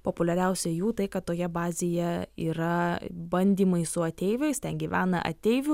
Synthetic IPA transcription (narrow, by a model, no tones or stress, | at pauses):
poːpʊlʲɛɾʲɛʊsʲɛjuːt̪ɐɪkɐt̪t̪ːoːjɛbɑːzʲeːjɛḭːɾɐbɐnʲd̪ʲiːmɐɪsʊɐt̪ʲɛɪʋʲɛɪst̪ʲɛnɡʲiːʋʲæːnɐ̰ʔɐ̰t̪ʲɛɪʋʲʊ